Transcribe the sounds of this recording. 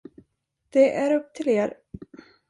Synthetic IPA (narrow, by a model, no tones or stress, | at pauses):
d̪̥ɛʔæɾɵp̚ːt̪ʰɪleːɾ